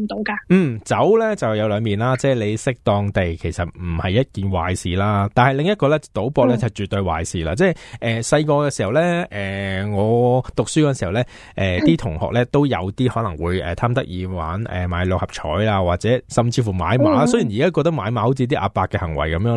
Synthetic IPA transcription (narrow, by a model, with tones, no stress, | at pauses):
t̪o˨˧wkaː˧m̩˥˩t͡sɐ˨˥wlɛ˥t͡sɐ˨˩wjɐ˨˧wlœː˨˧ŋmiː˨nlaː˥t͡sɛː˥˩le˨˧jsɪ˥k̚t̪ɔː˧ŋt̪e˨jkʰe˨˩jsɐ˨t̚m̩˨˩hɐ˨jːɐ˥t̚kiː˨˩nwa̰ː˨˩jsiː˨laː˥t̪aː˨nhɐ˨jlɪ˨ŋjɐ˥t̚kɔː˧lɛ˥t͡sɐ˨˩t̪o˨˥wpɔː˧k̚lɛː˥t͡sɐ˨t͡ʃyː˨t̪ːɵ˧ɥwa̰ː˨jsiː˨la̰ː˧t͡sɛː˥˩jʔɛː˨sɐ˧jkɔː˧kɛː˧si˨˩hɐ˨˩wlɛ˥ʔɛː˨ŋɔː˨˧t̪ʊ˨k̚sy˥kɔː˧˥˧nsi˨˩˨wlɛː˥ | ʔɛː˨t̪iː˥t̪ʰʊ˨˩ŋhɔ̰ː˨k̚lɛː˥t̪o˥wjɐ̰˨˧wt̪iː˥hɔː˨˥lɐ˨˩ŋwuː˨˧jɛ̰ː˨t̪ʰaː˥mt̪ɐ˥k̚jiː˧wa̰ː˨˥nʔɛ̰ː˨˩maː˨˧˥jlʊ˨k̚hɐ˨p̚t͡ʃʰɔ̰ː˨˥jlaː˧waː˨t̚t͡sɛː˨˥sɐ˨mt͡siː˧fuː˨˩ma̰ː˨˧jmaː˨˥sɵ˥jiː˨˩njiː˨kaː˥kɔː˧k̚t̪ɐ˥k̚maː˨˧jmaː˨˥ho˨˥wt͡si˧˥t̪iː˥ʔa̰ː˨˧paː˧kːɛː˧hɐ˨˩ŋwɐ̰˨˩jkɐ˨˦mjœː˨˧